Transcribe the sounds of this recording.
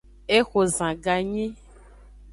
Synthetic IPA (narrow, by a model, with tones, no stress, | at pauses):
e˦xo˨zã˨ɡa˨ɲĩ˦